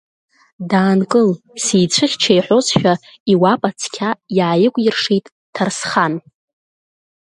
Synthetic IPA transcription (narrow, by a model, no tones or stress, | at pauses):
daːnkʼɨl | sijt͡ɕʷʰɨχʲt͡ʃʰajħʷo̞sʃᶣa | iwapʼat͡sʰkʲʰajaːjɪkʷʼjɪrʂijtʼ | tʰarsχan